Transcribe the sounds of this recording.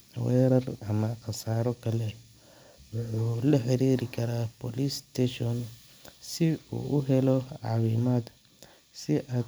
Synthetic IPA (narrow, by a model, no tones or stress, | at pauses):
wɛːɾɐrɐmɐqɑsaːɾɔkʰɐlɛ | wʊħuːlɐħɪɾiːɾɪkʰɐɾaːpɔːlist̪ɛʃɔn | sɪṵːʔʊɦɛlɔʕɑ̰ːwiːmaːd̪ | sɪʔaːd̪